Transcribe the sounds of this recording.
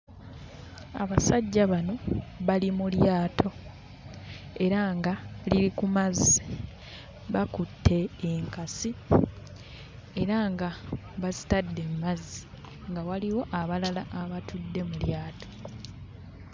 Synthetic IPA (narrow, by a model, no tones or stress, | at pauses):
a̰βasaɟːaβano̞βalimuljaːtʰo̞ | e̞ɾaŋɡaliɾikumazi | βakutʰːe̞ːŋkasi | e̞ɾaŋɡa | βazitadːe̞mmazːi | ŋɡawaliwo̞ʔaβalalaʔːβatudːe̞muljaːtʰo̞̥